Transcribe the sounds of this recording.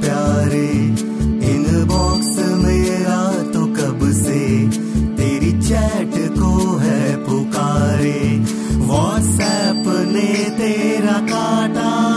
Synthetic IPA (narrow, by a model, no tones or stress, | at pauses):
pjaːɾe | ɪnbɔːksmeːɾa | t̪okɐbse | t̪eːɾit͡ʃɛːʈkoɦɛpokaːɾe | ʋaːʈsɛːpnet̪eːɾakaːʈaː